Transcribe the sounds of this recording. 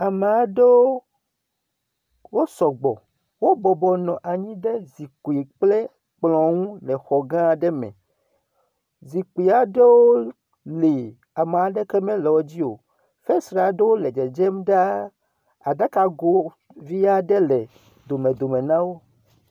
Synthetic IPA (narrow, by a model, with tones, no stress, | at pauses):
a˨me˨a˨ɖe˦wo˦ | wo˦sɔ˨ɡ͡bɔ˨ | wo˦bɔ˨bɔ˨nɔ̃˨ʔa˨ɲĩ˦ɖe˦zi˨ku˨i˨k͡ple˦ | k͡plɔ̃˨ŋũ˦lɛ˨xɔ˨ɡã˦˨ɖɛ˦mɛ̰̃˨ | zi˨ku˨i˨a˨ɖe˦wo˦ | li˨ | a˨m˨a˨ɖe˦kɛ˦mɛ̃˦lɔ˨wo˦d͡ʑi˦o̰˨ | fe˦sɾa˨ɖe˦wo˦le˨d͡ʒɛ˨d͡ʒɛ˦mɖa˦ | a˨d̪a˦ka˦ɡo˦ | vi˦a˦ɖe˦lɛ˨ | d̪o˨mẽ˨d̪o˨mẽ˨nã˦wo˦